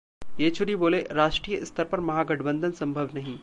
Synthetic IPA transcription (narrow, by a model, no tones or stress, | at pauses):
jeːt͡ʃʰʊɾiboːleɾaːʃʈɾiːjəɪst̪ɐɾpɐɾmɐɦaːɡɐʈʰbə̃nd̪ʱənsɐ̃mbʱəʋnɐɦĩː